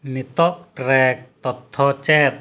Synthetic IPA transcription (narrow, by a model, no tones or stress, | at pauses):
nit̪ɔʔʈɾɛk̚t̪ɔt̪ʰːɔt͡ʃɛt̪̚